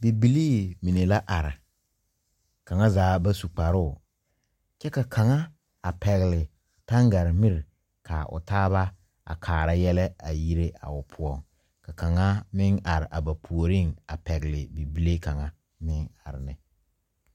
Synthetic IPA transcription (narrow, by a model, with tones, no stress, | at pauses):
bi˨bi˨liː˦mi˨ne˨la˦ʔa˨ɾɪ˨ | ka˨ŋa˦zaː˨˦ba˦su˨k͡pa˨ɾʊ˦˨ | t͡ʃɛ˦ka˨kʰa˨ŋa˦ | a˨pɛ˨ɣɪ˨lɪ˨ | ta˦ŋɡa˨ɾɪ˨mi˦ɾɪ˨ | kʰa˨ʊ̰˨taː˦βa˦ | a̰˨kʰaː˨ɾa˦jɛ˦lɛ˦a˨ji˦ɾe˦a̰˨ʊ˨pʰʊ˦ɔ˦˨ŋ | ka˨ka˨ŋa˦mɪ˦ŋa˨ɾɪ˨ʔa˨ba˨pʰu˨o˨ɾɪ˦˨ŋa˨pɛ˨ɣɪ˨lɪ˨bi˨bi˦le˦ka˨ŋa˦ | mɪ˦ŋa˨ɾɪ˨nɪ˦